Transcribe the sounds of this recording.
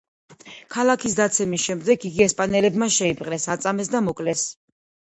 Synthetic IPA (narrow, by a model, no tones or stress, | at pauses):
kʰalˠakʰisd̪at̪sʰɛmisʃɛmd̪ɛɡʰiɡiɛspʼanɛlɛbmaʃɛipʼqʼnɛsat̪sʼamɛs̬d̪amɔkʼlɛs